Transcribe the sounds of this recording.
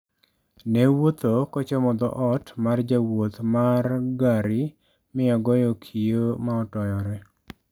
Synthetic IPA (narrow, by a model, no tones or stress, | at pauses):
newot̪okɔt͡ʃɔmɔd̪ɔ̰ʔɔtmard͡ʒawot̪marɡaɾɪ | mɪɔɡɔjɔkʰijomaɔtɔjɔɾɛ